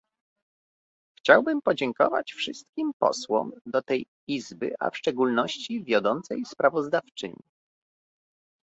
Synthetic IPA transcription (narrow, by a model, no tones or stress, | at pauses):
xt͡ɕawbɘmpɔd͡ʑɛŋkɔ̰va̰t͡ɕfʂɘst̪kʲimpɔ̰swɔ̰md̪ɔt̪ɛj | izbɘ̰ʔa̰fʂt͡ʂɛɡulnɔɕt͡ɕivʲjɔd̪ɔnt̪sɛjspɾavɔzd̪aft͡ʂɘ̰ɲi